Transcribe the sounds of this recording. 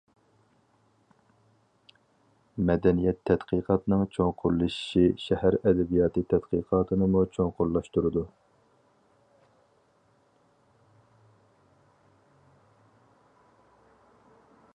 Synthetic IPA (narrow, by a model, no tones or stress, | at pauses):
mɛd̪ɛnijɛt̪ʰːɛd̪̥qʰiqʰɑt̪ɨnɨŋt͡ʃʰoŋqʰʊɾlˠɨʃi̥ʃiʃɛhæɾɛd̪ɛbijɑːt̪ɨt̪ʰɛd̪̥qʰəqʰɑːt̪ʰɨnɨmut͡ʃʰoŋqʊɾlˠɑʃt̪uɾɨd̪u